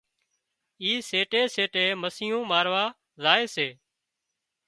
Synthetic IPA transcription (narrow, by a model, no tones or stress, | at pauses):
iːseːʈeːseːʈeːməsɪːjõːmaːɾʋaː | zaːeːseː